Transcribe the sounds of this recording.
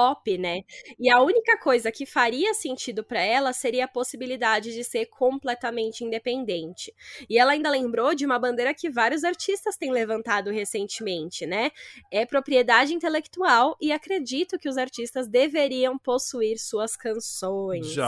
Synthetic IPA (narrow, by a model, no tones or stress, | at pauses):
pɔpɪnɛɪɐũnikɐkojzɐkɪfaɾiɐsẽnt͡ʃid̪ʊpɾɐɛlɐseɾiɐːposibilid̪ad͡ʒɪd͡ʒɪseɾkʰõplɛt̪ɐmẽnt͡ʃɪĩnd̪epẽnd̪ẽnt͡ʃɪ̥ɪɛlɐaĩnd̪ɐlẽmbɾod͡ʒɪũmɐbɐ̃nd̪eɾɐkɪvaɾjʊzaɾt͡ʃist̪ɐst̪ẽj̃levɐ̃nt̪ad̪ʊhesẽnt͡ʃɪmẽnt͡ʃɪnɛɛpɾopɾied̪ad͡ʒɪĩnt̪elekt̪uawɪakɾed͡ʒit̪ʊkɪʊzaɾt͡ʃist̪ɐzd̪eveɾiɐ̃w̃posuiɾsuɐskɐ̃sõj̃s